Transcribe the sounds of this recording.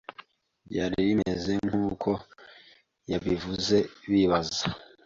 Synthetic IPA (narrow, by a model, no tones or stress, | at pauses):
ɟaːɾiɾimeze̞ŋhuːkʰo̞ | jaβivuze̞βiβaza